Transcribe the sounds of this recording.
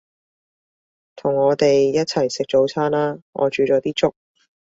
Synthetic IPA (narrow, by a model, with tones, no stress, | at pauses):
t̪ʰʊ˨˩ŋːɔː˨˧t̪e˨jːjɐ˥t̚t͡sʰɐ˨˩jsɪ˨k̚t͡ʃo˨˥wt͡sʰaː˥nlaː˥ŋʔɔ̰ː˨˧t͡ʃyː˨˧t͡ʃɔː˨˥t̪iː˥t͡sʊ˥k̚